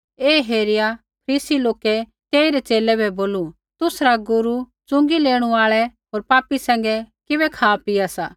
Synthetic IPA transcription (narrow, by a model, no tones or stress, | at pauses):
eːɦeːɾɪja | pʰɐɾiːsiloːkɛt̪eːiɾɛt͡ʃeːlɛbʱɛboːlu | t̪ʊsɾaɡʊɾu | t͡sʊ̃ŋɡileːɽ̃uaːɭɛɦoːɾpaːpisɛ̃ːŋ̆ɡɛkɪbɛkʰaːpiasaː